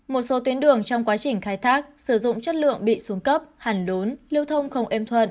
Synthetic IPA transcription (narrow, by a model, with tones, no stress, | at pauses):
mo˨˩t̚so˨˦t̪wi˨˦ənɗɨ˨˩əŋt͡ɕɔ˧wŋ͡mkwaː˨˦t͡ɕï˨˩ŋ̟xaː˧jt̪ʰaː˦˥k̚sɨ˧˩zʊ̰˧˨ŋ͡mt͡ɕə˦˥t̚lɨ̰˧˨əŋɓḭ˧˨su˨˦əŋkə˦˥p̚haː˨˧˩ŋɗu˨˦nli˧əwt̪ʰə˧wŋ͡mxə˧wŋ͡mʔɛ˧mt̪ʰwə˧˨n